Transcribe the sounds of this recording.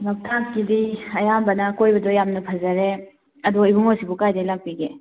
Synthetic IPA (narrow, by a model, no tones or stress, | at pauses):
mɐp̚tʰakːidiɐjambɐnɐkojbɐdojamnɐpʰɐzɐɾe | ɐduibuŋosibukajdajlak̚piɡe